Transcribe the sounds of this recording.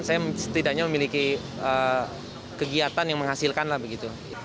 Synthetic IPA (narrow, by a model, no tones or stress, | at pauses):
sajasət̪idaɲaməmiliki | ə | kəɡiat̪anjaŋməŋɦasilkanlahbəɡit̪u